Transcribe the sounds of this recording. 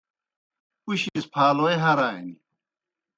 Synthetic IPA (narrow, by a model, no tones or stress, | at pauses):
uɕispʰaːloːeɦɐɾaːḭni